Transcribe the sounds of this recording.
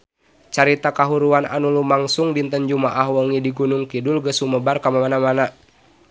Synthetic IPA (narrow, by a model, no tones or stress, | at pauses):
t͡ʃaɾit̪akaɦuɾuanʔa̰nulumaŋsuŋdint̪ənd͡ʒumaʔahwəŋidiɡunuŋkidulɡəsuməbarkamamanamana